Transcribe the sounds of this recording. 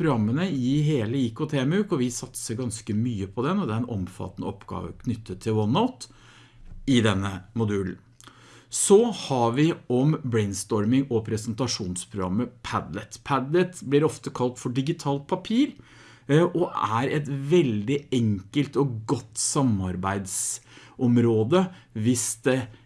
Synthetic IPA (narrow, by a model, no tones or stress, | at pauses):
pɾʊɡɾɑmːənəɪɦeːləɪkʊt̪ʰeːmʉːkɔʋɪsɑt̪səɾɡɑnskəmyːəpʰɔd̪ɛnɔd̪ɛæɾɛnʔɔmfɑ̰t̪ːənə̰ɔpːɡɑ̰ːʋə̰kʰnʏt̪ːət̪ʰːɪlwɔnaʊt̪ | ɪd̪ɛnːəmʊd̪ʉːln̩ | sɔhɑʋɪɔmbɾɛɪnst̪ɔɾmɪŋɔpʰɾɛsənt̪ɑʂuːnspʰɾʊɡɾɑ̰mːəpʰæd̪lət̪pʰæd̪lət̪blɪɾɔft̪əkʰɑlt̪fɔɖɪɡɪt̪ʰɑːlt̪̚pʰɑpʰiːɾ | ʔɔʔæɾɛt̪ʋɛld̪ɪɛŋkəlt̪ɔɡɔt̪ːsɑmɑɾbæɪd̪sɔmɾoːd̪əʋɪsd̪ɛ